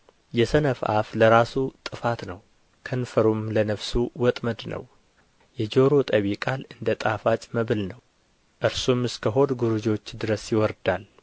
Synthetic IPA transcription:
jɛsənəfʔa̰fləɾasut̪ʼɨfat̪nəw | kʰənfəɾumlənəfsuwɔt̪ʼməd̪nə̰w | jɛd͡ʒo̞ɾot̪ʼəβikʼalɨnd̪ət̪ʼafat͡ʃʼməβɨlnəw | ʔɨɾsumɨskʰəɦo̞d̪ɡuɾud͡ʒo̞t͡ʃːd̪ɨɾəsjɪwɔɾd̪al

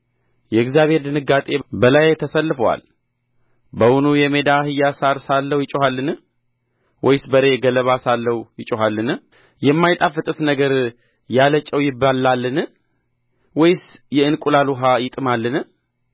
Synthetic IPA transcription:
jɛɨɡzijaβhe̞ɾd̪ɨnɨɡːat̪ʼe̞bəlajt̪ʰəsəlːɨfəwa̰l | bəwunujɛmed̪ahɨjːasaɾsalːəwjɪt͡ʃʼuhalːɨn | wʔɔjɪsbəɾe̞ɡələβasalːəwujɪt͡ʃʼuɦalːɨnɨ | jɛmːajt̪ʼafɨt̪ʼɨt̪nəɡəɾ | jalət͡ʃʼːəwjɪbalːalːɨnɨ | wɔjsjɛɨnkʼulaluɦajɪt̪ʼɨmalːɨnɨ

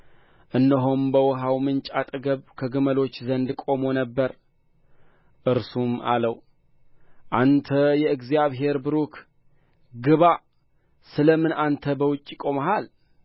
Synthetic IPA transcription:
ʔɨnːəɦombəwɔɦawmɨnt͡ʃʼat̪ʼɨɡəβkʰəɡɨməlo̞t͡ʃːzənd̪kʼo̞mo̞nəbːəɾ | ʔɨɾsuma̰ləw | ʔant̪ʰəjɛɨɡzijaβɦe̞ɾbɨɾukʰ | ɡɨβa | sɨləmɨnant̪ʰəbəwʊt͡ʃʼːikʼo̞maɦal

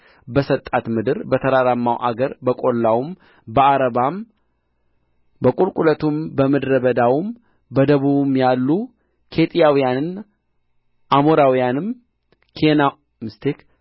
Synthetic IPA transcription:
bəsət̪ʼat̪mɨd̪ɨɾbət̪ʰəɾaɾamːawʔa̰ɡəɾbəkʼo̞lːawum | bəaɾəβam | bəkʼulkʼulət̪ʰumbəməd̪ɾəbəd̪awum | bəd̪əβuβumjalːu | kʰe̞t̪ʼijawijanɨn | ʔamoɾawijanɨm | kʰena | mɨst̪ʰek

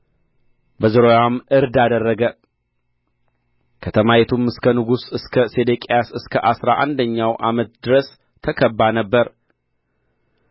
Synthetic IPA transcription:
bəzɨɾojamɨɾd̪ad̪ərːəɡə | kʰət̪ʰəmajɛt̪ʰumɨskʰənɨɡusɨskʰəsed̪ekʼeasɨskʰəʔasɾaʔand̪əɲːawʔamət̪d̪ɨɾəs | t̪ʰəkʰəbːanəbːəɾ

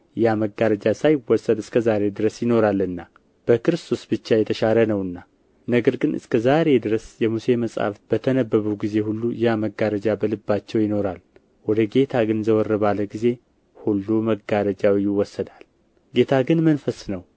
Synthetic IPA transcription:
jaməɡaɾəd͡ʒasajɪwːɔsːəd̪ɨskʰəzaɾe̞d̪ɨɾəsjɪno̞ɾalːɨnːa | b̥əkɨɾɨst̪ʰo̞sb̥ɨt͡ʃːajɛt̪ʰəʃaɾənəwɨnːa | nəɡəɾɡɨnɨ̰skʰəzaɾe̞d̪ɨɾəsjɛmuse̞məsʼha̰fb̥ət̪ʰənəbːəβuɡize̞hulːujaməɡːaɾəd͡ʒabəlɨbːat͡ʃːɛwjɪno̞ɾal | wɔd̪əɡe̞t̪ʰaɡɨnzəwɔrːəβalːəɡize̞ | hulːuməɡːaɾəd͡ʒawijɪwːɔsːəd̪al | ɡe̞t̪ʰaɡɨnmənfəsnəw

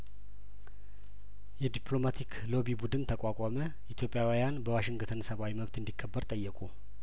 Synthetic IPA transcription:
jɛd̪ipʰlo̞mat̪ʰikʰlo̞bibud̪ɨnt̪ʰəkʼakʼamə | ʔit̪ʰjo̞pʼːjawijanbəwaʃɪŋɡət̪ʰənəsəβawiməβt̪ɨnd̪ikʰːəbːəɾt̪ʼəjːɛkʼu

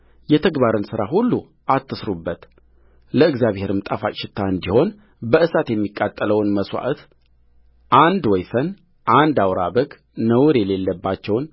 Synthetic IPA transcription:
jɛt̪ʰəɡbaɾɨnsɨɾaɦulːu | ʔat̪ːɨsɾubːət̪ | ləɨɡzjaβhe̞ɾɨmt̪ʼafat͡ʃʃɪt̪ʰːaɨnd̪iho̞n | bəʔɨsat̪jɛmːikʼːat̪ʼːələwnməswa̰ʔt̪ | ʔand̪wɔjfən | ʔand̪awɾabəɡ | nəwɾele̞lːəbːat͡ʃːɛwn

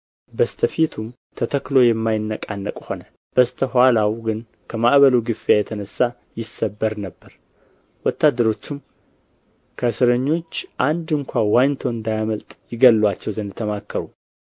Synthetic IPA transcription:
bəst̪ʰəfit̪ʰum | t̪ʰət̪ʰəkːlo̞jɛmːajɪnːəkʼanːəkʼho̞nə | b̥əst̪ʰəhʷalawɡɨn | kʰəmaʔβəluɡɨfijajɛt̪ʰənəsːa | jɪsːəbːəɾnəbːəɾ | wɔt̪ːad̪ːəɾo̞t͡ʃːɪm | kʰəsɨɾəɲːo̞t͡ʃːʔand̪ɨŋkʷawant̪ʰo̞ɨnd̪ajaməlt̪ʼjɪɡəlːwat͡ʃːɛwzənd̪ɨt̪ʰːəmakːəɾu

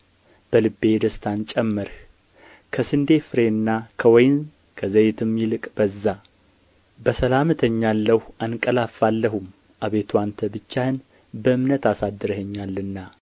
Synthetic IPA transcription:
b̥əlɨbːe̞d̪əst̪ʰant͡ʃʼɛmːəɾ | kʰəsɨnd̪e̞fɨɾe̞nːakʰəwɔjn | kʰəzəjt̪ʰɨmjilɨkʼb̥əzːa | bəsəlamɨt̪ʰəɲːalːəhankʼəlafːalːəɦum | ʔaβe̞t̪ʰuant̪ʰəbɨt͡ʃːahɨn | bəɨmnət̪asad̪ːɨɾhəɲːalːɨnːa

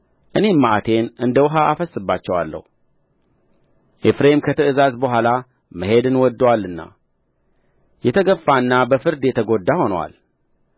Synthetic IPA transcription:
ʔɨne̞mːaʔat̪ʰe̞nɨnd̪əwʊɦaafəsːɨbːat͡ʃːɛwa̰lːə̰hu | ʔefɾemkʰət̪ʰəɨzazbəɦʷala | məɦe̞d̪ɨnwɔd̪ːwalːɨnːa̰ | jɛt̪ʰəɡəfːaɨnːabəfɨɾd̪jɛt̪ʰəɡo̞d̪ːaho̞nəwa̰l

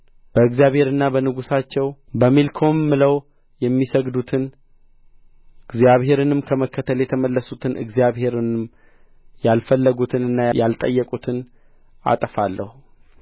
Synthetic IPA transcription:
b̥əɨɡzijaβhe̞ɾɨnːabənɨɡusat͡ʃːɛw | bəmilkʰo̞mːɨləw | jɛmːisəɡd̪ut̪ʰɨn | ɨɡzjaβhe̞ɾɨnɨmkʰəməkːət̪ʰəljɛt̪ʰəməlːəsut̪ʰɨnʔɨ̰ɡzijaβhe̞ɾɨnɨm | jalfəlːəɡut̪ʰɨnɨnːajalt̪ʼəjːɛkʼut̪ʰɨn | a̰t̪ʼəfalːəhu

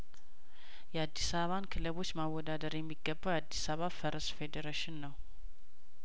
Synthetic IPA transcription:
jɛad̪ːisaββankʰɨləβo̞t͡ʃːmawːɔd̪ad̪əɾjɛmːiɡːəbːawad̪ːisaβafəɾəsfed̪eɾeʃɪnːəw

